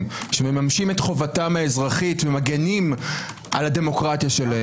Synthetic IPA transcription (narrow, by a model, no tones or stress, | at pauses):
ʃememamʃime̞tχo̞vatamhaezʁaχitvemaɡenim | ʔa̰lade̞mo̞kʁatjaʃe̞lae